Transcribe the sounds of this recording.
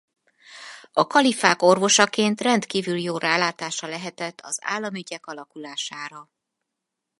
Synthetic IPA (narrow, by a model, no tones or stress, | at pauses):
ɒkɒlifaːko̞rvo̞ʃɒkeːnt̪rɛnt̪kiːvyljoːraːlaːt̪aːʃɒlɛɦɛt̪ɛt̪ʰːɒ̰za̰ːlːɒmyɟɛkɒlɒkulaːʃaːɾɒ